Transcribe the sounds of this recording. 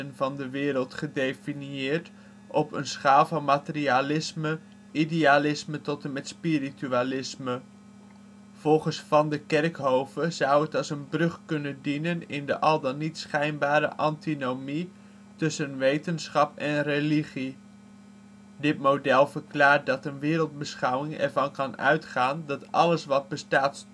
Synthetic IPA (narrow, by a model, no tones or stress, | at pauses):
ənvɑndəʋɪːɾəlˠtχədejfiniɪːɹt | ʔɔpə̰nsχaːlˠvɑnmatərialɪsmə | idejalɪsmətɔtənmɛtspiɾityalɪsmə | v̥ɔlˠχəsfɑndəkɛrkɦowvəzʌwətɑlˠsənbrɵχkɵnəndinənɪndə̰ʔɑlˠdɑnitsχɛjnbaːɾə̰ʔɑntinowmi | tɵsənʋejtənsχɑpɛnreliχi | dɪt̚mowdɛlˠvəɹklaːɹt̚dɑtənʋɪːɾəlˠd̚bəsχɑwɪŋɛ̰ɹvɑnkɑnœ̰ɥtχaːndɑtʔɑ̰ləsʋɑd̚bəstaːt